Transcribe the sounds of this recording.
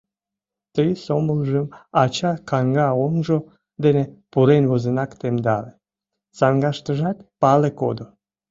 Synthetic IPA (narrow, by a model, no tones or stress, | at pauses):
t̪əjsoməlʒəmɑt͡ɕɑkɑŋɡɑonʒo | d̪enepuɾenβozənɑkt̪emd̪ɑle | sɑŋɡɑʃt̪əʒɑt̪̚pɑleko̰d̪o